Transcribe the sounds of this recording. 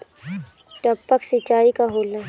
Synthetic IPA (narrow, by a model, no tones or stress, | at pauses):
ʈəpːəksɪt͡ʃːaːikaɦoːlna